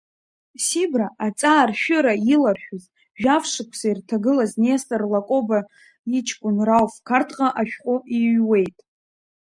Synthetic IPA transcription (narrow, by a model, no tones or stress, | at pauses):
sibraʔat͡sʼaːrʃᶣʏɾailarħᶣʊz | ʒᶣafʂɨkʷʰsairtʰaɡɨlazneastʼarlakʷʼo̞ba | it͡ʃʰkʷʼʊnrawfkʰartʰqʼaʔaʃᶣqʼʊʔiwe̞jtʼ